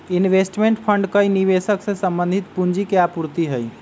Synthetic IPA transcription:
inʋesʈmeɳʈpʰəɳɖkəjniβesəksẽsəmbənd̪ʱit̪pund͡ʒikeapuɾt̪iɦəj

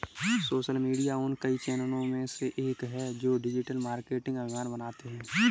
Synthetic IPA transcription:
soːʃəlmiːɖijaʊnkəit͡ʃɛːnəɽõmẽseʔeːkɦɛd͡ʒoːɖɪd͡ʒɪʈəlmaːɾkeːʈɪ̃ŋɡɐbʱɪmaːnbɐnaːt̪eɦɛ̃ː

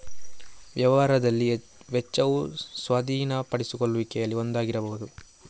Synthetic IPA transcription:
ʋjɐʋɐɦaːɾɐd̪ɐlːi | ʋɛt͡ʃːɐʋusʋɐd̪ʱiːnɐpɐɽisukoɭːuʋikɛjɐlːiond̪aːɡiɾɐbɐɦud̪u

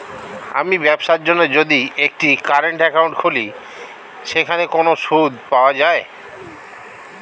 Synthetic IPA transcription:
a̰mibɛbʃaɾd͡ʑonːod͡ʑod̪iek̚ʈikaɾeɳʈɛkawɳʈkʰoli | ʃekʰanekonoʃud̪paoad͡ʑae

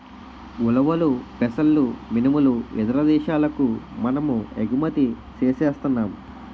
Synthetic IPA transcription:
ulɐʋɐlupɛsɐlːuminimulued̪ɐɾɐd̪ɛːʃaːlɐkumɐnɐmueɡumɐt̪i | t͡ʃeːseːst̪unːaːm

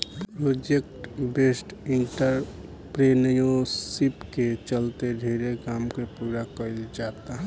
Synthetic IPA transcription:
pɾod͡ʒek̚ʈbesʈiɳʈəɾ | pɾenəjosipket͡ʃəlt̪edʱiɾekaːmkepuːɾakəild͡ʒat̪aɦ

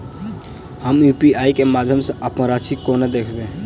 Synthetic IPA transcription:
həmjuːpiaːikemaːd̪ʱjəmseɐpməɾaːʃikoːned̪eːkʰɡ̪e

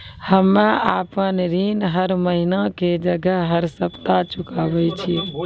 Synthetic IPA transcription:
həmaːpənɾiːnɦəɾməɦinaked͡ʒəɡəɦɦəɾsəpt̪at͡ʃʊkaːʋəit͡ʃʰi

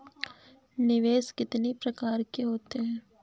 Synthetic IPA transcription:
nɪʋeːskɪt̪nipɾɐkaːɾkeɦoːt̪eɦɛ̃ː

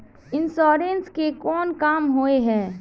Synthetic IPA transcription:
ɪnsɔːɾeːnskekɔːnkaːmɦoːeɦɛ̃ː

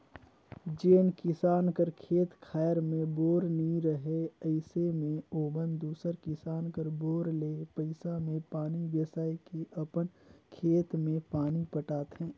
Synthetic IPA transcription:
d͡ʒeːnkɪsaːnkəɾkʰeːt̪kʰaːjɾmẽboːɾniɾəɦeəɪsemẽoːbənd̪uːsəɾkɪsaːnkəɾboːɾleːpəɪsamẽpaːniʋjəsaːikeʔɐpənkʰeːt̪mẽpaːnipəʈaːt̪ɦɛ̃ː

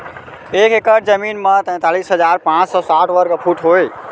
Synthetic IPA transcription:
ekekəʈ̚d͡ʒəminmãt̪ə̃ɪ̃t̪alisɦəd͡ʒaɾpãt͡ʃsɔsaʈʰʋəɾɡpʰuʈʰɦoj

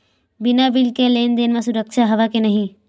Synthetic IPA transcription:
bɪnabɪlkeleːnd̪eːnʋãsʊɾəkʃaɦɐʋakenɐɦĩ

